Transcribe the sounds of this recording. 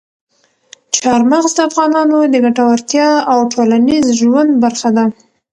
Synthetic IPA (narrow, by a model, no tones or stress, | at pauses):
t͡ʃɑɾmaɣzd̪əafɣɑnɑnod̪əɡaʈawaɾt̪jɑawʈʰolanizʒwand̪̚baɾxad̪a